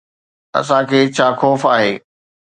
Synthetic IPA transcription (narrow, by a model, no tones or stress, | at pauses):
ɐ̰sãkʰeːt͡ɕʰaːxoːfaːɦeː